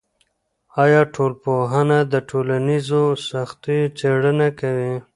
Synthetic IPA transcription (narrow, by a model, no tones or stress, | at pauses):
ɑjɑʈʰolpoɦanad̪əʈʰolanizosaxt̪it͡seɽənakawi